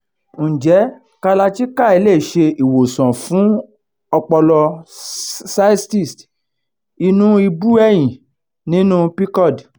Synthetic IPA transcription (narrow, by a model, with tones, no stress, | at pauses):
n̩ũ˨d͡ʒɛ˨˦ | ka˧la˧ti˦ka˦˨i˧le˦˨ʃe˧i˨wo˨sɔ̃˨fũ˨˦ | ɔ˧k͡pɔ˧lɔ˧ | sa˦sti˦˨st | i˧nũ˦i˧bu˦ɛ˨j̃ĩ˨ | nĩ˨˦nũ˦pi˦kɔ˦˨d